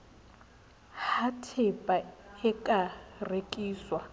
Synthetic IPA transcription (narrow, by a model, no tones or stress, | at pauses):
hatʰɪpʼaɛkʼarekʼiːswa